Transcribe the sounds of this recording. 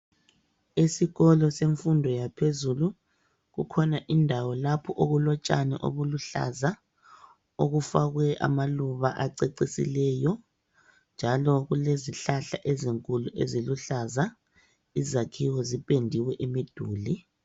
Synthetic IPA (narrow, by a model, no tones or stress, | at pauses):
esiɣɔlɔseɱfundʱɔjapʰezulu | ɣukʰɔnaʔindʱawɔlapʰɔʔoɣulɔt͡ʃʼa̰nɛ̰ʔo̰βuluɬa̰za | oɣufaɣwɛʔa̰maluβaʔaǀeǀisḭlɛjɔ | nd͡ʒʱalɔɣuleziɬaɬaʔɛziŋkʼuluʔeziluɬaza | izakʰiwɔzipʼendʱiwɛʔimid̥ʱuːli